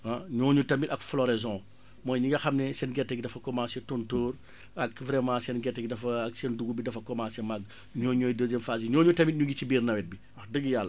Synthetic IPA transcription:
aɲɔːɲutɐmitɐkflɔɾɛzɔ̃ | mɔːjɲiŋɡɐxɐmnɛsɛnɡɛtːɛɡ̚dɐfɐkɔmãːsɛtɔntoːr | ɐkvɾɛmãːsɛnɡɛtːɛɡdɐfɐːksɛnduɡubidɐfɐkɔmãːsɛmaɡ | ɲɔːɲɔːjdəzɛmfaziɲɔːɲutɐmit̚ɲuŋɡicibiːrnɐwɛt̚bi | ɐxdəɡjalːɐ

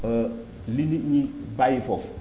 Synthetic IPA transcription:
ə | liniɲibajifɔf

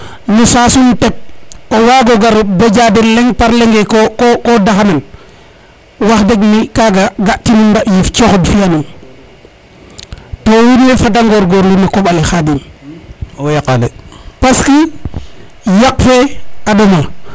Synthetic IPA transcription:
nusasuntet̚owaɡoɡaɾbed͡ʒadenleŋpaɾleŋɡekokokodaxanan | waxdeɡmikaɡaɡatinunbaʔjift͡ʃoxodfianum | towidwefat̬aŋɡoɾɡoɾlimakoɓalexadin | jakalepaski | jakfeadoma

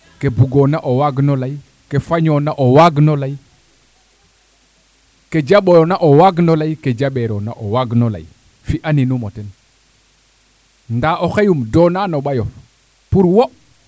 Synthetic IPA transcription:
kebuɡonaʔowaɡnolaj | kefaɲonaʔowaɡnolai | ked͡ʒaɓojonaʔowaɡnolaiked͡ʒaɓeɾona̰ʔowaɡnola̰ji | fiʔaninumoten | ndaʔoxejumdonanoɓajof | puɾwo

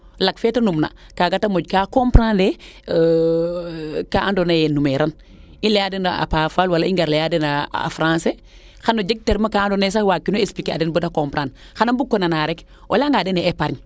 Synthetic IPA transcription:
laɡfeːtɐnumna̰kaːɡatamoɟkakompɾãnde | kaʔandonajɛnumeɾan | inlejadenaa̰pafaːlwalaiŋɡaɾlejadenaa̰fɾãːnse | xanoɟeɡ̚teɾmakaːndones̬awakinoespikea̰dɛnbodakompɾan | xanɐmbukːonanaɾɛk | ʔo̰laŋɡadeneːpaɾɲ

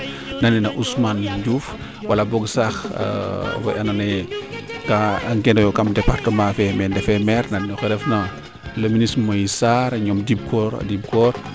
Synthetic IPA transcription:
nɐnɛnɐʔusmanɟuːf | wɐlɐbɔɡsax | fɔ̰ʔɐnanɛ | kaŋkɛnɔjɔkɐmdɛpartəmãfɛmɛndɛfɛmɛɾnɐnnɔxɛɾɛfnɐ | lɐminismojisaɾɲɔmdib̚kɔɾa̰dib̚kɔːɾ

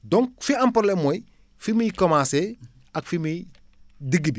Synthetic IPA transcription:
doŋkfiampoɾlemoj | fimijkomaːse | akfimi | diɡibi

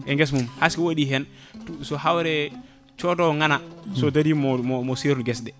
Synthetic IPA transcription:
ɛŋɡɛs̬mumhaskiwaɗiɦɛn | sɔɦawɾɛ | t͡ʃɔdɔwŋanasɔdadimɔmɔmɔseɾɡɛsdɛ

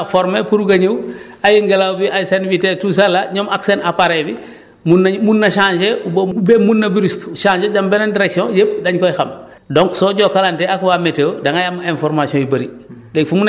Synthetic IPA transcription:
foɾmepuɾuɡɐɲuw | ajiŋɡelawbiʔajsenvitetus̬alːaɲomaksenapaɾebi | munmunːɐʃaːnd͡ʒeubbemunːɐbiɾiskʃãːɲd͡ʒeɟambenandiɾeksiõjep̚daɲkojxam | doŋksoːɟokalanteakwameteːwdaŋajamenfoɾmasiõibɐɾilekfumun

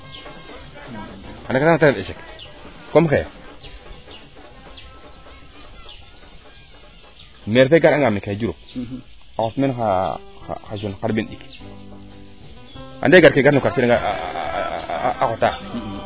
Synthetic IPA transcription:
adakatateeʃek | komxej | meɾfeɡaɾaŋɡamekad͡ʒuɾo | axotmenaa̰xaʃunkaɾbinɗik | a̰ndeɡaɾkeɡaɾnukaɾtiaa | axota

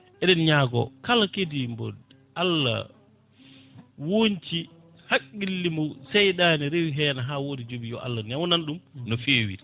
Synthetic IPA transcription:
ʔɛɗɛnɲaːɡɔ̰kalakedimbɔ̰d | ʔalːa̰ | wont͡ʃi | hakʼːilːimɔsɛjɗaːnɛɾewiɦɛːnaɦaːwoːdid͡ʒobijɔ̰ʔa̰lːanawnanɗumnɔfeːwḭ

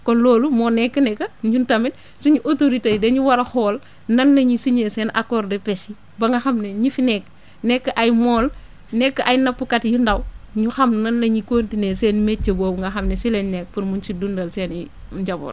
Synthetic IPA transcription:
kɔnloːlumɔːnɛkːɐnɛkːɐɲɟuntɐmin | suɲuʔotoɾitejdeɲuwɐɾɐxɔːl | nɐnlɐɲisiɲeseːnʔa̰kɔːɾdepɛsi | bɐŋɡɐxɐmneɲifinɛkː | nɛkːɐʔajmɔːl | nɛkːɐʔajnɐpːukɐtjundɐwɲuxɐmnɐnlɐɲikoːntineseːnmet͡ʃːɐboːbuŋɡɐxɐmnesilɛɲnɛk̚puɾmunt͡ʃidundɐlseːniɟɐbo̰ːl

